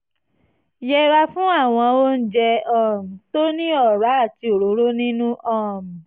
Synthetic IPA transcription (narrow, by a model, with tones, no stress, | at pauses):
jɛ˧ɾa˧fũ˦a˦˨w̃ɔ̃˧o˦n̩˦d͡ʒɛ˧ɔ̃˨m̩˨to˦nĩ˦ɔ˦˨ɾa˨˦a˦˨ti˧o˨ɾo˨˦ɾo˦nĩ˦nũ˦ʔɔ̃˦˨m̩̃˨